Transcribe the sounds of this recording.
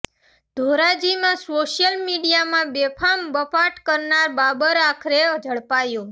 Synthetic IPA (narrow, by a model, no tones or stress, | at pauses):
d̪̥ʱoɾad͡ʒimãsoʃjəlmiɖijamãbepʰambəpaʈkəɾnaɾbabəɾakʰɾed͡ʒʱəɭpajõ